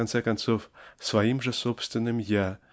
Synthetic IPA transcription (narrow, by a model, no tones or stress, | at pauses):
ant̪sɛkant̪sofsvajimʐɛsopst̪vʲɪnːɨmja